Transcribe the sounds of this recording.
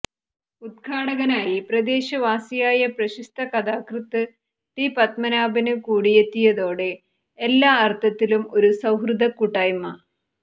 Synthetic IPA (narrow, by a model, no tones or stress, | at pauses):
ud̪̚kʰaːɽɐɣɐnaːjiprɐd̪e̞ːɕɐʋaːsijaːjɐprɐɕist̪ʰɐkɐd̪aːkrɨt̪ːɨ | ʈipɐt̪̚mɐnaːbɐnɨkuːɽije̞t̪ːijɐðo̞ːɽe̞ː | lːaːɐrt̪ʰːɐt̪ːilumo̞ɾusɐwɦrɨd̪ɐkːuʈːaːjmɐ